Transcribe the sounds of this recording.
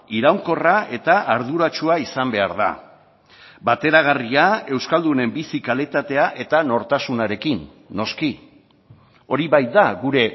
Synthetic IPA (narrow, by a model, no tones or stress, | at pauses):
iɾawŋko̞raʔe̞t̪aʔaɾðuɾat͡ʃuaisambe̞aɾða̰ | bat̪e̞ɾaɣ̞ariae̞wskald̪une̞mbisikalit̪at̪e̞aʔe̞t̪ano̞ɾt̪asunaɾe̞kinː | o̞ski | o̞ɾiβajt̪̚d̪aɣuɾe̞